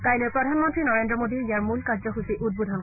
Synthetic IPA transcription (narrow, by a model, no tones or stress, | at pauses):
kajlɔjpɹɔdʱanmɔntɹinɔɹendɹɔmodiijaɹmulkazɔɦusiʔud̚budʱɔn